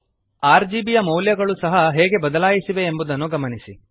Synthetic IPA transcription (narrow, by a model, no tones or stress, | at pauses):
aːɾd͡ʒiːbijɐmɐwljɐɡɐɭusɐɦɐɦɛːɡe̞bɐd̪ɐlaːjisiʋe̞ːmbud̪ɐnːuɡɐmɐnisi